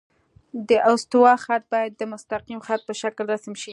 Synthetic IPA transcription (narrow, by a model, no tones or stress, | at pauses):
d̪əʔawst̪wɑxat̪̚bɑjad̪ːəmʊst̪aqimxat̪̚pəʃaklɾasamʃi